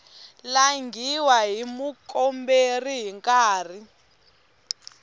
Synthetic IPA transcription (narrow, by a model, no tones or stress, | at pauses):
laŋɡʱiwaɦimukʼɔmberiɦiŋkʼaːr̤i